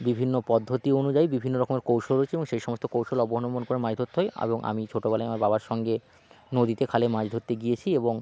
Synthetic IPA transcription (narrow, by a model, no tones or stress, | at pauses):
bibʱinːopɔd̪ʱːot̪ionud͡ʑaibibʱinːoɾɔkomeɾkowʃolɦoeeboŋʃejʃɔmost̪okowʃolɔboɦonomonkoɾemad͡ʑd̪ʱot̪ːɦoeḛboŋʔa̰mit͡ɕʰoʈobɛlajamaɾbabaɾʃɔŋɡe | nod̪it̪ekʰalemãd͡ʑd̪ʱot̪ːeɡijet͡ɕʰieboŋ